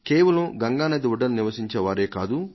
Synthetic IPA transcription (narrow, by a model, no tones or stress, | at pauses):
keːʋɐlɐmɡɐŋɡaːnɐd̪iʋuɖɐnuniʋɐsiɲt͡ʃɐʋaːɾeːkaːd̪u